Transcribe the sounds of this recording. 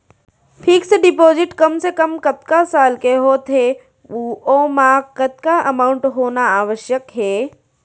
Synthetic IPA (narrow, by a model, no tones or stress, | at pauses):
pʰiːkseɖɪpoːzɪʈkɐmsekɐmkɐt̪kasaːlkeɦoːt̪ʰɦe | uːomãːkət̪̚kaʔɐmaːʊɳʈɦoːnaaːʋəʃjəkɦɛː